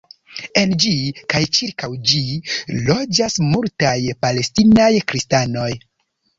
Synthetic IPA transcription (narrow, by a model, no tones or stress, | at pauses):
e̞nd͡ʒikajt͡ʃiɾkawd͡ʒilo̞d͡ʒasmultajpale̞stinajkɾistano̞j